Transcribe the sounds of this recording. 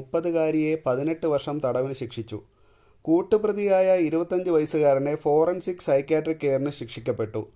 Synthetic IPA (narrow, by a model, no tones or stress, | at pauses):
upːɐðɨɣaːɾije̞pɐðine̞ʈːɨʋɐrʂɐmt̪ɐɽɐʋinɨɕikʂit͡ɕːṵ | kuːʈːɨprɐðijaːjɐiɾubɐt̪ːɐɲd͡ʑɨʋɐjɐsuɣaːɾinefo̞ːrɐnsikːsɐjkːjaːʈrikʲːeːrnɨɕikʂikʲːɐpːe̞ʈːṵ